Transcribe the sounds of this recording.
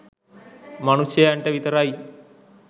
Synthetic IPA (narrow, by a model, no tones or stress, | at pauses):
mɐnusjɐjaːɳʈɐʋit̪ɐɾaːji